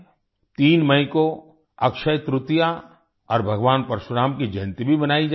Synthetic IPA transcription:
t̪iːnmɐ̃ɪ̃ko | ɐkʃəjt̪ɾʊt̪ja | ɔːɾbʱɐɡʋaːnpɐɾʃʊɾaːmkid͡ʒɐ̃nt̪ibʱibɐnaːid͡ʒa

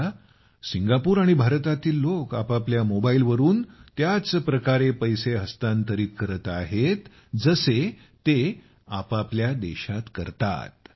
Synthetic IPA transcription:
siŋɡapuːɾaɽ̃ibʱaɾt̪at̪iːlːokapapljamobailʋəɾuːnt̪jat͡spɾəkaɾepəjseɦəst̪ant̪əɾiːt̪̚kəɾət̪aɦet̪ | d͡zəse | t̪e | apapljad̪ɛɕat̪kəɾt̪a̰t̪̚

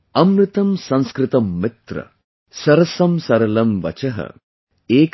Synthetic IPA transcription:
ɐmɾɨt̪ɐmsɐ̃nskɾɪt̪ɐmːɪt̪ɾɐ̰ | sɐɾɐsɐmsɐɾɐlɐmʋɐ̰t͡ʃɐɦɐ̰ | eːk

